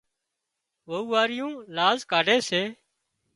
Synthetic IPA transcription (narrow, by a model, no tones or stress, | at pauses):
ʋəuːaːɾɪjũːlaːzkaːɖʱeːseː